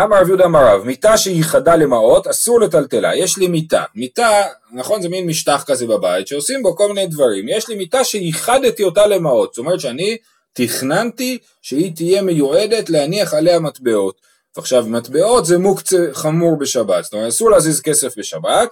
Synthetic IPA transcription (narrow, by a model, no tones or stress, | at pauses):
amaʁavjudamaʁavmit̪aʃeiχadale̞mao̞tasuʁle̞t̪alte̞la̰je̞ʃlimit̪a̰mit̪a | naχo̞nzeminmiʃtaχkaze̞babajitʃeo̞simbo̞ko̞lminejd̪vaʁimjeʃlimitaʃejiχadt̪io̞tale̞mao̞t̪z̥to̞me̞ʁet̪ʃeani | tiχnanti | ʃeit̪ije̞mejue̞d̪e̞tlehaniaχalehamat̪be̞o̞t | veaχʃavmat̪be̞o̞tzemukt͡seχamuʁbe̞ʃabat̪z̥t̪oeetasuʁleazizke̞se̞fbe̞ʃabat̚